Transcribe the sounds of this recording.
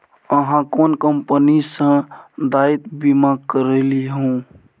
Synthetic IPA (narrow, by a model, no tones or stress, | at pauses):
əɦãkonkəmpənisə̃d̪ait̪bimakəɾeliɦuũ